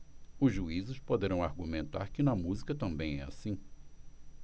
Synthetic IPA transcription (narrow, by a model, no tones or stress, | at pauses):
ʊzʒuizʊspod̪eɾɐ̃w̃aɾɡumẽnt̪a̰ɾkɪnɐmuzikɐt̪ɐ̃mbẽj̃ɛ̰asĩ